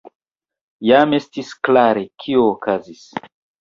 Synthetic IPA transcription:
jame̞stisklaɾekʰioːkazis

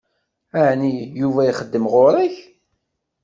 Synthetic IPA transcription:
aʕnijuvæiχəd̪ːəmʁoɾˤəç

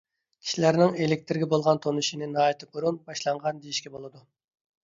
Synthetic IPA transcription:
kʲʰi̥ʃilæɾnɪŋelɪk̚ʲt̪ʰɪɾɡʲɛbolˠʁɑnt̪ʰonuʃinɪnɑːjt̪ʰɨb̚uɾunbɑʃlˠɑɴʁɑnd̪ejiʃkʲɛbolˠɨd̪u

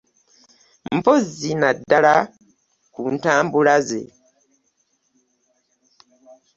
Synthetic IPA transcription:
mm̩pozinadːala | kuntaːmbulazḛ

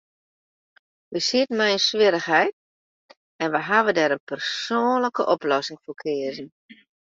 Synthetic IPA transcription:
ʋəsiətən̩mɛjənsʋɪɾəxɦɛjt̚ | ɛnʋəɦaʋədɛɾənpʰərsoːnləkəʔɔplɔsɪŋfoːkʰɪəzən̩

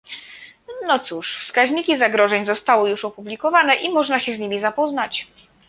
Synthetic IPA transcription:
nɔt̪suʂfskaʑɲikʲizaɡɾɔʐɛɲzɔst̪awɘjuʂɔpublʲikɔvanɛʔimɔʐnaɕɛzɲimʲizapɔznat͡ɕ

